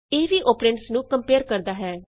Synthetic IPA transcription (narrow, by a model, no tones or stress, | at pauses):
eːʋiːʔoːpɾẽɳʈsnũːkəmpeːɾkəɾd̪aːɦɛː